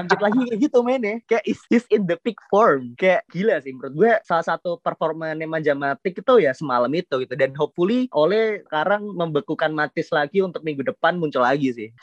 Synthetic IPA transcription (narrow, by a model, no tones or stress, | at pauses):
aŋd͡ʒɪt̪laɡikəɡit̪umainɛhkajaʔɪsɪsɪndəpɪk̚fɔrmkajaʔɡilasɪhməɾʊt̪̚ɡuasalahsat̪upərfɔrmanemad͡ʒamat̪ɪkit̪ujasəmaləmit̪uɡit̪udanɦɔp̚fuliʔolɛhəkaɾaŋməmbəkukanmat̪ɪslaɡiunt̪ʊk̚miŋɡudəpanmuɲt͡ʃʊlaɡisɪh